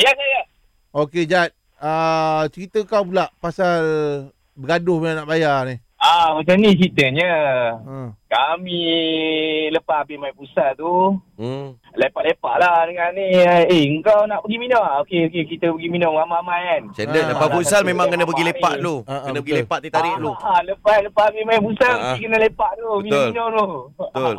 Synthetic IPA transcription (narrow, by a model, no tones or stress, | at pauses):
jakaja | oked͡ʒat̪̚ | at͡ʃəɾit̪əŋkawp̬ulaʔpasal | bəɡadʊhmenanaʔbajarni | amat͡ʃamnit͡ʃɾit̪əɲəəkami | ləpabimaipusat̪u | lepaʔlepa̰ʔladəŋanieəŋkawnaʔbəɡiminɔŋokeokekit̪əbəɡiminɔmŋamamajansandədapabusalmemãŋkənabəɡilepaʔlokənabəɡilepaʔ̪it̪aɾɪʔloaləpaləpahbimajapusaəikənəlepaʔt̪uəilinɔŋt̪ut̪ol